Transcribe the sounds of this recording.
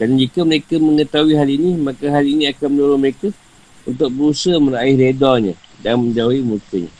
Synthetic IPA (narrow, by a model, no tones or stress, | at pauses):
dand͡ʒikəməɾekaməŋət̪auiɦalinimakaɦalinĩakanməluɾʊməɾekə | unt̪ʊk̚bəɾusəməɾaɪhɾedaɲã̰danmə̃ɲd͡ʒauimukəɲa̰